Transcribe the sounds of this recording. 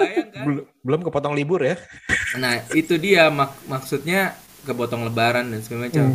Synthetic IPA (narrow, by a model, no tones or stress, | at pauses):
bbəlʊmkəpɔt̪ɔŋlibʊrjanahit̪udiamakmaksut̪̚ɲa | kəpɔt̪ɔŋləbaɾandansəmamat͡ʃam